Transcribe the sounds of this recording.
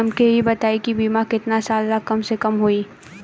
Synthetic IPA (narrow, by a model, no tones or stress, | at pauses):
ɐmkeɦibɐt̪aːikibiːmakɪt̪nasaːlːakɐmsekɐmɦoiː